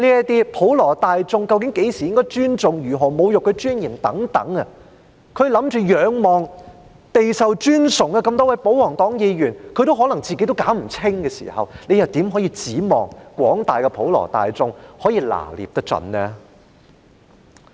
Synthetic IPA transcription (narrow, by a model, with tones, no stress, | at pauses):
liː˥ɐ˥t̪iː˥pʰo˨˥wlɔː˨˩t̪aː˨jt͡sʊ˧ŋkɐ˧wkɪ˨˥ŋke˨˥jsiː˨˩jɪ˥ŋkɔː˥jt͡ʃyː˥nt͡sʊ˨ŋjyː˨˩ɦɔː˨˩mo˨˧wjʊ˨kːɛ˧t͡ʃyː˥njiː˨˩mt̪ɐ˨˥ŋt̪ɐ̰˨˥ŋɐ˧ | kʰɵ˨˧ɥlɐ˨˥mt͡ʃyː˨˧jœː˨˧ŋmɔː˨ŋ | t̪e˨jsɐ˨wt͡ʃyː˥nsʊ˨˩ŋɐ˧kɐ˧mt̪ɔː˥wɐ˨˧jpo˨˥wwɔː˨˩ŋt̪ɔː˨˥ŋjiː˨˧jyː˨˩nkʰɵ˨˧ɥt̪o˥wɦɔː˨˥lɐ˨˩ŋt͡siː˨ke˧˥jt̪o˥wkaː˨˥wm̩˨˩t͡sʰɪ˥ŋkɛː˧sḭː˨˩hɐ̰˨wne˨˧jɐ˨wt̪iː˨˥mɦɔː˨˥jiː˧t͡siː˨˥mɔ̰ː˨˩ŋkʷɔ̰ː˨˥ŋt̪aː˨jkɛ˧pʰo˨˥wlɔ̰ː˨˩t̪a̰ː˨jt͡sʊ˧ŋhɔː˨˥jiː˧la̰ː˨˩lḭ˨p̚t̪ɐ˥k̚t͡sɐ̰˧nnɛ˥